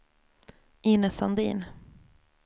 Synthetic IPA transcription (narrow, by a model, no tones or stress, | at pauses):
iːnəsand̪ḭːn